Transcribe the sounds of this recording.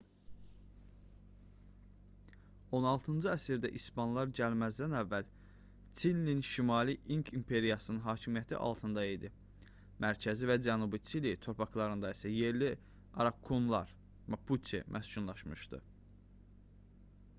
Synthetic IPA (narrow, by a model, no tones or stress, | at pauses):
o̞nɑlˠt̪ʰɯnd͡ʒɯæsiɾd̪æʔispɑnlˠɑɾɟælmæzd̪ænævːæl | t͡sʰinːinʃimɑliʔiŋkʰimpʰe̞ɾijɑsɯnɯnɦɑːcʰimijæt̪ʰḭʔɑ̰lˠt̪ʰɯnd̪ɑid̪i | mæɾcʰæzivæd͡ʒænubit͡sʰilit̪ʰo̞ɾpʰɑklˠɑɾɯnd̪ɑisæje̞ɾli | ɑ̰ɾɑkʰːumlˠɑ̰ɾ | mɑpʰut̪ʰḭmʔæst͡ʃunlˠɑʃmɯʃd̪ɯ̰